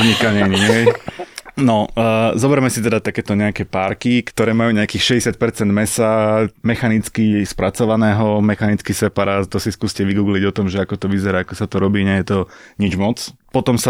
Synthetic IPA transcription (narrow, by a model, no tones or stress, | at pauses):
ɲikaɲɛɲiɛj | nɔzɔbɛɾmɛsit̪ɛd̪at̪akɛːt̪ɔɲɛakɛpaːɾkikt̪ɔɾɛːmajuːɲɛakiːxʃɛɟɛsɪat̪̚pɛɾt͡sɛnd̪mɛsamɛxanit͡skispɾat͡sɔʋanɛːɦɔmɛxanit͡skisɛpaɾaːt̪t̪ɔsiskuːscɛʋiɡuːɡliɟɔt̪ɔmʒɛakɔt̪ɔʋizɛɾaakɔsat̪ɔɾɔbiːɲɛjɛt̪ɔɲid͡ʒmɔt͡spɔt̪ɔmsa